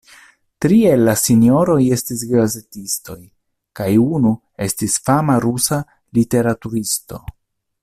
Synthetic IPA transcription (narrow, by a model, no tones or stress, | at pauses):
tɾie̞lːasinjo̞ɾo̞je̞stis̬ɡɾaze̞tisto̞j | kajunu | e̞stisfamaɾusa | lite̞ɾatuɾisto̞̰